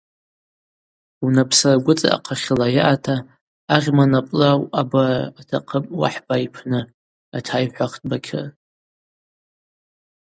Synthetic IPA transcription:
unapʰsaraɡʷʊt͡sʼa̰a̰qʰaχʲɪlajaʔatʰaː | rʲmanapʼlawʔabaːtʰaqʰəpʼwa̰ħbaipʰnɨ | atʰajħʷaχtʰʼbakʲʰɪ̰

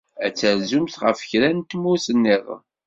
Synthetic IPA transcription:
æt͡sːəɾzumθʁə̰fçɾænt̪musənːɪðˤ

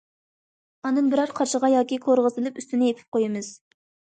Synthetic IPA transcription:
ɑnɨnbɪɾɑɾqʰɑʃəʁɑjɑːkʲikʰoɾʁəzɨlˠɨpyst̪ynɪjepʰɪ̥p̚qojɪmɨz̥

